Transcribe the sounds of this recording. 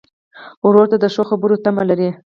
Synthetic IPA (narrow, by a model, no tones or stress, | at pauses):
wɾoɾt̪ad̪əʂoxabəɾot̪amalaɾi